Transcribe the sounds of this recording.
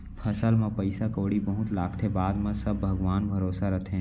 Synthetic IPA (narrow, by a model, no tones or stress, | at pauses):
pʰəsəlmẽpəɪsakoːɽibəɦut̪laːkt̪ʰebaːd̪mẽsəbːʱəɡʋaːnbʱəɾoːsaɾɐt̪ʰẽ